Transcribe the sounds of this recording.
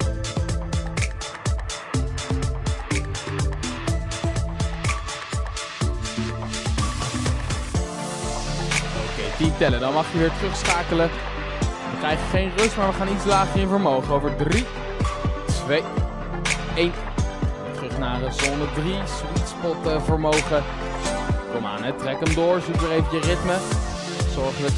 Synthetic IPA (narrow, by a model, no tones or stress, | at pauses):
owkejtintɛlədɑnmɑχəʋɪːɹtərɵχsχaːkələ | ʋəkrɛjχəχejnrɵstmaːɹʋəχaːnitslaːχəɹɪnvəɹmowχəowvəɹdri | tʋej | ejn | ətrɵχnaːrəzɔnədris | itspɔtəvəɹmowχə | kɔma̰ːnɦɛtrɛkəmdʊːɹzukdərejvəjərɪtmə | z̥ɔɹχədɑ